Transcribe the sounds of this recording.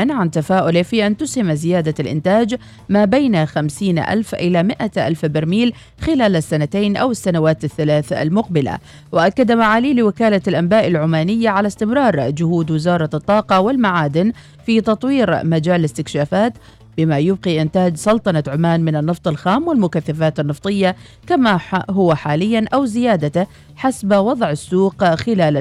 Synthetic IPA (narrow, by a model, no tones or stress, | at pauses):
anʕant̪afaːʔʊlɪfiːʔant̪ʊshɪmzɪjaːd̪alʔɪ̰nt̪aːd͡ʒ | maːbajnaxamsiːnʔa̰lfʔɪlamɪʔaʔa̰lfbɪɾmiːl | xɪlaːlasːanat̪ajnʔa̰wɪsːanawaːt̪aθːalaːθa̰lmʊqbɪla̰ | waʔakːad̪amaʕaːliːlɪwɪkaːlalʔambaːʔalʕʊmaːnɪjːaʕalast̪ɪmɾˤɑːɾˤd͡ʒʊhuːd̪wɪzɑːɾˤɑt̪ˤːɑːqɑwɪlmaʕaːd̪ɪn | fit̪ɑt̪ˤwiːɾmad͡ʒaːlɪst̪ɪkʃaːfaːt̪ | bɪmajʊb̚qiʔɪnt̪aːd͡ʒsˤɑlt̪ˤɑnɑʕʊmaːnmɪnɪnːɨft̪ˤɪlxaːmwɪlmʊkaθːafaːt̪ɪnːɨft̪ˤɨjːa | kamaɦʊwaħaːlɪjːanʔawzɪjaːd̪a | ħasbwɑd̪ˤʕɪsːuːqxɪlaːl